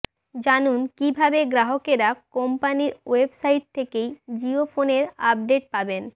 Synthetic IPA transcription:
d͡ʑanunkibʱabeɡɾaɦokeɾakompaniɾwebsaijʈ̚t̪ʰekejd͡ʑiofoneɾab̚ɖeʈ̚paben

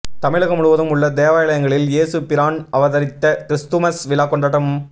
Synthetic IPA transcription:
t̪ɐmɪɭɐɣɐmʊɻʊʋɐðɯmʊɭːɐd̪eːʋaːjɪlɐjɐŋɡɐɭɪljeːsɯpɪɾaːɳɖɐʋɐðɐɾɪt̪ːɐt̪ɪɾɪst̪ɯmɐsʋɪlaːkɔɳɖɐɽɐm

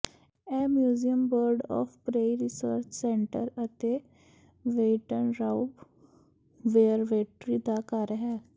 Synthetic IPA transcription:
ɛmjuːzijəmbəɾɖɔ̰fpɾeiɾisəɾt͡ɕsẽɳʈəɾət̪e | ʋeʈənɾaub | ʋeəɾʋeʈɾid̪akaɾəɦɛ

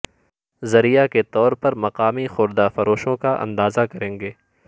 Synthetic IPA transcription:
zɐɾijaket̪ɔːɾpɐɾmɐqaːmixʊɾd̪afɐɾoːʃõkaʔɐ̰̃nd̪aːzakɐɾẽːŋɡeː

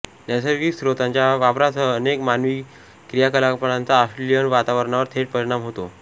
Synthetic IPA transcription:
nasəɾɡiːksɾot̪aɲt͡ɕjaʋapɾat͡səːnekmanʋiː | kɾijakəlapəɳãnt͡saːsʈɾelijəɳʋat̪aʋəɾɳaʋəɾt̪ʰeʈ̚pəɾiɽ̃amɦot̪o

